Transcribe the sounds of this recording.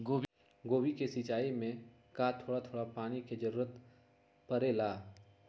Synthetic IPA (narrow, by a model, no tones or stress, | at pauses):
ɡoːb | ɡoːbikesit͡ʃaːimẽ | kat̪ʰːoːɽat̪ʰoːɽapaːñiked͡ʒəɾuːɾət̪ | pəɾeːlaː